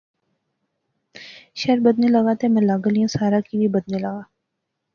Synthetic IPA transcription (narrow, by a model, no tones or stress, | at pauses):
ʃɐɾbɐd̪nelɐɡaːt̪emɛ̃ːlaɡəlijũsaːɾakibʱibɐd̪nelɐɡaː